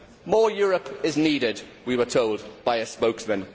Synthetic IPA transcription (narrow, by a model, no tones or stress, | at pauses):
mɔːjɔːɹəpɪzniːɾɪd | wiwətʰoʊlˠdb̥aɪəspəʊksmə̃n